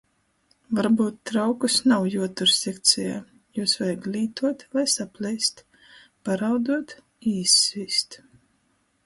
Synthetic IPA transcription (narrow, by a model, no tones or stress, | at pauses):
vaɾbuːt̪ːɾawkusnawjuɔt̪uɾsʲekt̪sʲɛjaː | juːsvajaɡlʲiːt̪uɔt̪lajsaplʲɛjst̪ | paɾawd̪uɔt̪ | iːsvist̪